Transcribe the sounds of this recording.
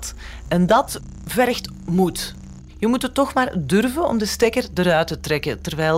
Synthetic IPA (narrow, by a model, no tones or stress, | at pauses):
tɛndɑt | vɛɾxt | mut | jəmutətːɔxmaːrdɵrvənɔ̰mdəstekərdəɾœɥtətrɛkətərʋɛː